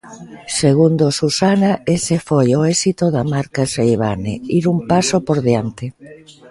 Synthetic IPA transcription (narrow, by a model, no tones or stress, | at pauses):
seɣ̞und̪osusanaesefojoesit̪oðamaɾkasejβa̰nḛiɾumpasopoɾðeant̪ɪ